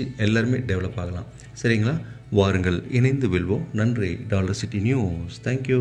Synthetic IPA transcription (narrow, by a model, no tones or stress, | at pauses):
iɛlːaːɾɯmeːɖɛʋɐɭɐpːaːɣɐlã̰ː | sɐɾɪŋɡɐɭaːʋaːɾɯŋɡɐɭɪnɐɪnd̪ɯʋɪɭʋõːnɐndriɖaːlɐɾsɪʈːinjuːst̪ʰɛːŋkju